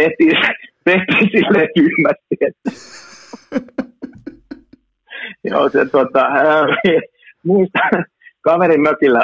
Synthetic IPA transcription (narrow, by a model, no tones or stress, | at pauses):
eht̪iːt̪eht̪iːsilːekyhmæssiet̪ːæ | jo̰ːset̪ot̪ɑhæi | muist̪ɑ̥ | kɑʋerinnøkilːæ